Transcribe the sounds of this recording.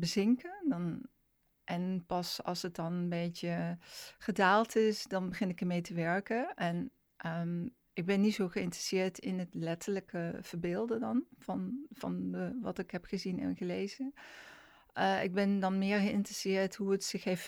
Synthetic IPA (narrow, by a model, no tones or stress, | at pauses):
bəzɪŋkəndn | ʔɛnpɑsɑ̰lˠsət̚dɑnənbejtəχədaːlˠtʰɪsdɑnbəχɪnɪkəɹmejtəʋɛɹkəʔɛn | ʔə | ɪɡ̚bɛnːitsowχəɪntrəsɪːɹtɪnɦətlɛtələkəv̥əɹbɪːlˠdədɑnvɑnv̥ɑ̰nəʋɑtɪkɦɛpχəzinɛ̰nχəlejzə | ʔəʔɪ̰ɡ̚bɛndɑnmɪːɹχəɪntrəsɪːɹtɦuətsɪxef